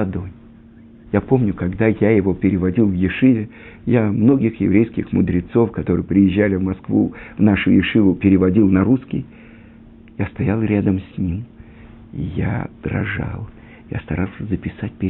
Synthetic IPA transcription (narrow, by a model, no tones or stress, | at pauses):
ɐd̪oj | japo̞mnʲʊkɐɡd̪ajajɪvo̞pʲɪɾʲɪvɐdʲilˠvjɪʂɨvʲɪ | jamno̞ɡʲɪxjɪ̰vɾʲejskʲɪxmʊd̪ɾʲɪt̪so̞fkɐt̪o̞ɾɨjəpɾʲɪjɪʑːalʲɪvmɐskvṵvnaʂʊjɪʂɨvʊpʲɪɾʲɪvɐdʲilˠnɐɾuskʲɪj | jast̪ɐjalˠɾʲad̪əmsʲnʲim | ija̰d̪̥ɾɐ̰ʐa̰lˠ | ja̰st̪ɐɾalˠsʲəzəpʲɪsat̚ʲpʲɪ